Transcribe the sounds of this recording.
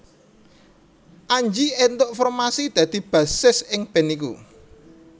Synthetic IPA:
ʔaɲd͡ʒient̪ʊʔfɔrmasid̪̥ä̤d̪̥i̤b̥ä̤sɪsɪŋb̥ɛ̤nikṵ

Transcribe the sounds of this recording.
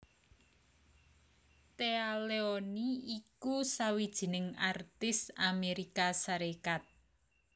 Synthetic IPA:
t̪ealeoniikusawid̥ʒ̥i̤nɪŋart̪ɪsameɾikasaɾekat̪̚

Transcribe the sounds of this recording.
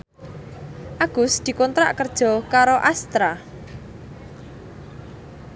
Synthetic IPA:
ʔaɡ̥ʊsd̪̥i̤kɔnt̪ɾa̰ʔkərd̥ʒ̥ɔ̤kaɾoʔast̪ɾa

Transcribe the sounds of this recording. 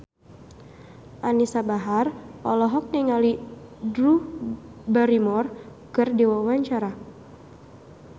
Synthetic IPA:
ʔanisabaɦarɔlɔɦɔk̚niŋalidɾu | baɾimɔr | kɨrdewauwaɲt͡ʃaɾa

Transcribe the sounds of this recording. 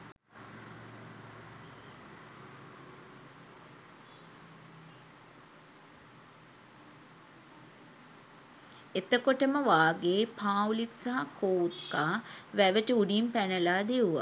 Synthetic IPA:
et̪əkoʈəməʋaːɡeːpaːwliksaɦakʰoːut̪kaːʋæʋəʈəuɖimpænəlaːd̪euʋa̰

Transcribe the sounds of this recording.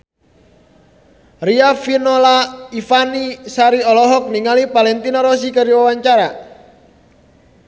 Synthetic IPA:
riafinɔlaifanisaɾiɔlɔɦɔk̚niŋalipalɛnt̪inaɾɔs̬ikəɾiwawaɲt͡ʃaɾa

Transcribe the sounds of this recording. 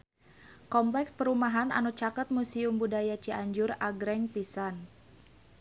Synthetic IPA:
kɔmplɛkspəɾumaɦana̰nut͡ʃakət̪̚musiumbudajat͡ʃiʔaɲd͡ʒʊraɡɾɛŋpisan

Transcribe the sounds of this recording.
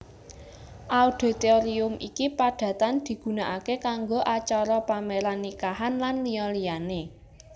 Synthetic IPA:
ʔauɖ̪̥e̤t̪eoɾiʊmʔikipaɖ̥ä̤t̪and̪̥i̤ɡ̥ṳnaʔakekaŋɡoʔat͡ʃɔɾɔpameɾanːikaɦanlanliɔlijane

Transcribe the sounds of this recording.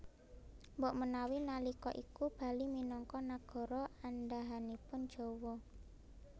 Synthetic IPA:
mbɔʔmənawinalikɔ̰ʔikub̥a̤liminɔŋkɔnaɡ̥ɔ̤ɾɔanɖaɦanipʊnd̥ʒ̥o̤wɔ

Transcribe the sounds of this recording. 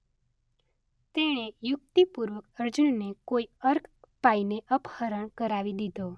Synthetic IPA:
t̪eɽ̃ejʊk̚t̪ipuɾʋək̚əɾd͡ʒunːekoiəɾkpaineʔəphəɾəɳkəɾaʋid̪id̪ʱo

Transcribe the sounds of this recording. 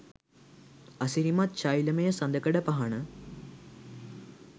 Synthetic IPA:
ɐsiɾimat̪̚t͡ɕaːjilɐmɐjɐsɐnd̪ɐkːɐɽɐpɐɦɐɳɨ

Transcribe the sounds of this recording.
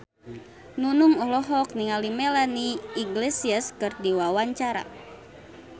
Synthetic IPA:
nunuŋɔɦlɔɦɔk̚niŋalimɛlaniːɡlesiaskɨrdiwawaɲt͡ʃaɾa̰

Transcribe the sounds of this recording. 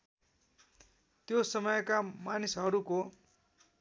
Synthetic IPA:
t̪josʌmʌjkamanisɦʌɾuko

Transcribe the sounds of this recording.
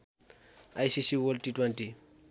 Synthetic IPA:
ajsisiwɔltitwɛnti

